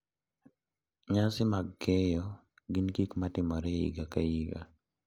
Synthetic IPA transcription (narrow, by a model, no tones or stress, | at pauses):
ɲasɪmaɡːɛjɔ | ɡinkikmatɪmɔɾɛḭɡakaiɡa̰